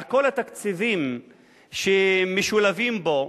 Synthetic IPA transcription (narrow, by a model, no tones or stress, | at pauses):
ko̞lat̪akt͡sivim | ʃemeʃulavimbo̞